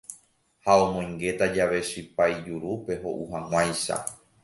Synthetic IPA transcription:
haõ̞mõj̃ŋɡe̞t̪ad͡ʒaʋe̞ʃɨpajd͡ʒuɾupe̞ɦo̞̰ʔuhãŋ̃ʷãjʃa̰

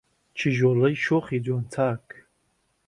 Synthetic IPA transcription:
t͡ʃʰɪʒwalaiʃoχid͡zwantʰaːkʰʼ

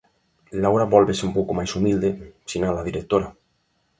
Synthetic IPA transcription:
lawɾaβɔlβeseumpowkomajsumild̪esinalaðiɾek̚t̪oɾa

